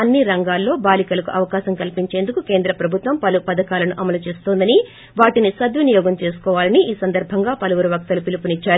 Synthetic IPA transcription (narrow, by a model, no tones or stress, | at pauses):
ɐnːiɾɐŋɡaːlːo̞ːbaːlikɐlɐkuʔɐʋɐkaːʃɐmkɐlpiɲt͡ʃe̞ːnd̪ukuke̞ːnd̪ɾɐpɾɐbʱut̪ʋɐmpɐlupɐd̪ɐkaːlɐnuʔɐmɐlut͡ʃeːst̪oːnd̪ɐni | ʋaːʈinisɐd̪ʋunijɔːɡɐmt͡ʃe̞ːsu̥kɔːʋaːlɐniʔiːsɐnd̪ɐɾbʱɐŋɡaːpɐlɐʋuɾuʋɐk̚t̪ɐlupilipunit͡ʃːaːɾu